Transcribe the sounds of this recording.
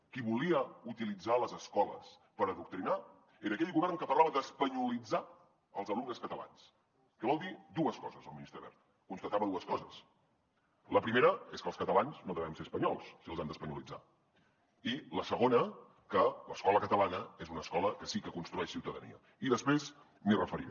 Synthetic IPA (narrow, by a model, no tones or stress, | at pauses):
kiβuliəut̪ilid͡zaləzəskɔlə̰s | pəɾəðuk̚t̪ɾina | eɾəːkɛʎɣuβɛrnkəpərlaβəðəspəɲulid͡za | əlˠzəlumnəskət̪əla̰ns | kəβɔlˠd̪id̪uəskɔzəzəlˠminist̪ɾəβɛ̰ɾt̪̚ | kunst̪ət̪aβəðuəskɔzəs | ləpɾimeɾəeskəlˠskət̪əlanznoðəβɛmseəspəɲɔlˠssiəlˠzand̪əspəɲulid͡za̰ | iləsəɣonə | kələskɔləkət̪əlanəezunəskɔləkəsikəkunst̪ɾuɛʃsiwt̪əðə̰nḭə̰ | iðəspɾez | mirəfəɾḭ